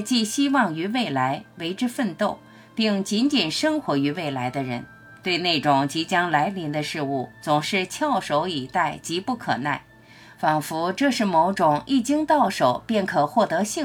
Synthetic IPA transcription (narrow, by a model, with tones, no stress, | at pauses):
t͡ɕi˥˩ɕi˥wɑ˥˩ŋy˧˥we˥˩ɪla˧˥ɪwe˧˥ɪʈ͡ʂɻ̩˥fə˥˧nt̪o˥˩˧ʊ | pi˥˩ŋt͡ɕi˧˥nt͡ɕi˨˩nʂɤ˥ŋxwɔ˧˥y˧˥we˥˩ɪla˧˥ɪd̪ə˧ɻə̰˧˥n | t̪we˥˧ɪne˥˩ɪʈ͡ʂʊ˨˩ŋt͡ɕi˧˥t͡ɕjɑ˥ŋla˧˥ɪli˧˥nd̪ə˧ʂɻ̩˥˧u˥˩t͡sʊ˨˩ŋʂɻ̩˥˧t͡ɕʰjɑ˥˩ʊʂo˧˥ʊi˨˩t̪a˥˩ɪt͡ɕi˧˥pu˥˩kʰɤ̰˨˩na˥˩ɪ | fɑ˨˩ŋfu˧˥ʈ͡ʂɤ˥˧ʂɻ̩˥˩mo˧˥ʊʈ͡ʂʊ˨˩ŋi˥˩t͡ɕi˥ŋt̪ɑ˥˩ʊʂo˨˩ʊpjɛ˥˩nkʰɤ˨˩xwɔ˥˩t̪ɤ˧˥ɕi˥˩